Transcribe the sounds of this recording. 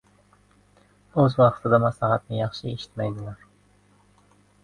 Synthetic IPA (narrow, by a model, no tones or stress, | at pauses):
øzwɑχt̪ʰɨd̪ɑmɑslˠɦɑt̪nɪjɑχʃɪeʃi̥t̪mɛjd̪ɪlˠɑɾ